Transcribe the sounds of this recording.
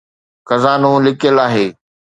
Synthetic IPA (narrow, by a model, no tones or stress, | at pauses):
xɐzaːnũːlɪkəlaːɦeː